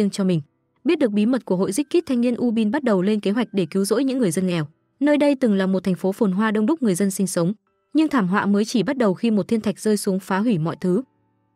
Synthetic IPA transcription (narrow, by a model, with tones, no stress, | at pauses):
ənt͡ɕɔ˧mï˨˩ŋ̟ | ɓi˦˥t̚ɗɨ˨˩ək̚ɓi˨˦mə˨˩t̚ku˧˩əɦo̰˧˨jzi˦˥k̚kːi˦˥t̚t̪ʰa˧ŋni˧ənʔu˧ɓi˧nɓa˦˥t̚ɗə˨˩wle˧nke˨˦ɦwa˨˩k̟̚ɗe˧˩ki˨˦wzo̰˧˥jɲɨ̰˧˥ŋːɨ˨˩əjzə˧nŋɛ˨˩w | nəː˧jɗə˧jt̪ɨ˨˩ŋlaː˨˩mo˨˩t̪ʰɛ˨˩ŋ̟fo˨˦fo˨˩nɦwaː˧ɗə˧wŋ͡mɗʊ˦˥k͡p̚ŋɨ˨˩əjzə˧nsï˧ŋ̟sə˨˦wŋ͡m | ɲɨ˧ŋt̪ʰaː˧˩mɦwa̰ː˧˨məː˨˦jt͡ɕi˧˩ɓa˦˥t̚ɗə˨˩wxi˧mo˨˩t̪̚ʰi˧ənt̪ʰa˨˩k̚zəː˧jsu˨˦əŋfaː˨˦ɦwi˧˩mɔ̰˧˨jt̪ʰɨ˨˦